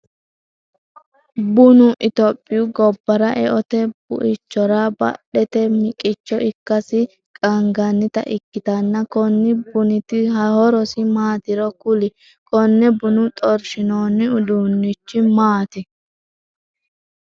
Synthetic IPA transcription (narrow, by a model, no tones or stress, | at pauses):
bʊnʊʔɪt̪ɔpʼːɪjʊɡɔbːɐɾɐʔɛʔɔt̪ɛb̥ʊ̰ʔɪt͡ʃːɔɾɐbɐ̰ɗɛt̪ɛmɪkʼɪt͡ʃːɔʔɪkːɐsɪ | kʼɐŋɡɐnːɪt̪ɐ̰ʔɪkːɪt̪ɐnːɐkɔnːɪbʊnɪt̪ɪɦɐhɔɾɔsɪmaːt̪ɪɾɔkʊlɪ | kɔnːɛbʊnʊt̪ʼɔɾʃɪnoːnːɪʊd̪uːnːɪt͡ʃːɪmaːt̪ɪ